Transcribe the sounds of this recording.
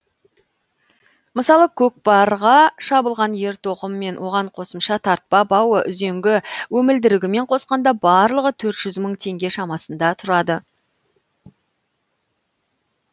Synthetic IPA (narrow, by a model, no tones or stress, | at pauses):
məsɑlˠəkʲʰɵk̚bɑɾʁɑʃɑbəlˠʁɑnje̞ɾt̪ʰoqəmːe̞nwʔo̞ʁɑɴqʰo̞səmʃɑt̪ʰɑɾt̪̚pɑbɑwəʔʏ̰ze̞ŋɡʲɪwɵmɪld̪ɪɾɪɡʲɪme̞ɴqʰo̞sqɑnd̪ɑbɑɾlˠəʁət̪ʰɵɾt̪ʒ̥ʏzməɴt̪ʰe̞ŋɡʲe̞ʃɑmɑsənd̪ɑt̪ʰʊɾɑd̪ə